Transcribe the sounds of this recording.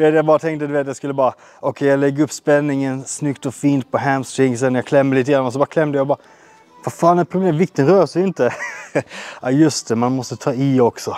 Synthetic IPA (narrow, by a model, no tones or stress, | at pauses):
d̪ʉʋeːt̪jæɪbɑːɾət̪ʰɛŋt̪əd̪ʉʋeːt̪jæɪskʉlːəbɑːɾə | ʔɔkʰɛɪjæɪlɛɡʉpːspɛnːɪŋənsnʉkt̪ɔfiːnt̪̚pʰɔɦæmst̪ɪŋɡs̬ɛnɔjæɪkʰlɛmːəlɪt̪ːɪɡɾɑnːɔsɔbɑːɾəkʰlɛmːd̪ɛjæɪbɑːɾ | ʋɑfɑːnɛt̪pʰɾʊbleːmʋɪk̚t̪ənɾøːɾsɔɪnt̪ə | ʔæjʉst̪əmɑnmɔsət̪ʰɑːiɔksɔ